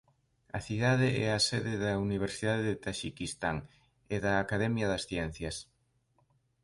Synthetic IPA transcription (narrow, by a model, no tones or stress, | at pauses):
ɐθiðaðɪʔɛɐsɛðɪðɐuniβ̞eɾsiðaðeðet̪aʃikist̪a̰ŋ | ɪðɐːkaðɛmjɐðɐsθjɛn̟θjɐs